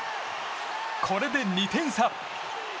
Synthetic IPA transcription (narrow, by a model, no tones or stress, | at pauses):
kʰɔɾed̪enːit̪ʰeŋsʰap̚